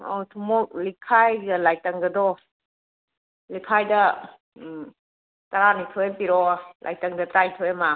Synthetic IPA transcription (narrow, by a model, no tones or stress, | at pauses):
owt̪ʰumɔk̚likʰːajɡalajtaŋɡadɔ | likʰajda | taɾanitʰɔjampiɾɔlʔa̰jtaŋdat̪ɾaitʰɯjama